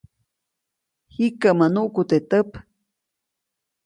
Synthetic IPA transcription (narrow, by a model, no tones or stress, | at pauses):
hikəmanuʔkut̪et̪əp